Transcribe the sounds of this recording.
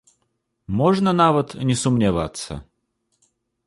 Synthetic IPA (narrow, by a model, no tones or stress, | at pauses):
moʐnənavət̪nʲɪsʊmnʲɪva̰t̪sə̰